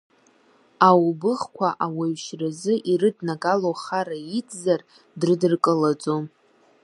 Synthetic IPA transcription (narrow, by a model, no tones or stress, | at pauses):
awbɨχkʷʰaʔaweɥʃrazɨʔirɨdnaɡaloχaɾait͡sʰʼzar | drɨdɨrkʼəlad͡zʼom